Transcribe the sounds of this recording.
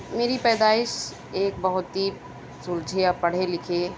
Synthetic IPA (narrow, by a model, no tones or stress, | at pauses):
meːɾipɛːd̪aːɪʃ | eːk̚bɐɦʊt̪ɦi | sʊld͡ʒʱeapɐɽ̤elɪkʰeː